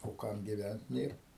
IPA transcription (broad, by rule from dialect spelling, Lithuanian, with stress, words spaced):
oː ˈkɐm ɡʲɪˈʋʲænt ˈnʲeːr